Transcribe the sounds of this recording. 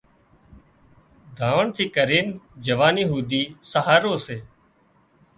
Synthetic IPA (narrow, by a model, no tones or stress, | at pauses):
d̪ʱaːʋəɳt̪ʰiːkəɾiːnd͡ʒəʋaːniːɦuːd̪iːsəɦaːɾoːseː